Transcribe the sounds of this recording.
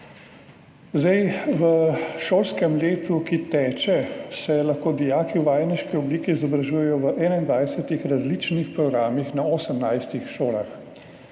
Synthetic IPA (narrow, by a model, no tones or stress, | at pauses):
zd̪ɛjʋəʃoːlskɛmleːt̪ukit̪ɛːt͡ʃɛsɛlaxkoːd̪ijaːkiwʋaːjniʃkiɔbliːkiːzɔbɾaʒujɛjɔʋəʔɛːnaind̪ʋajsɛt̪ixɾazlit͡ʃnixpɾɔɡɾaːmixnaɔsəmnajst̪ixʃoːla̰x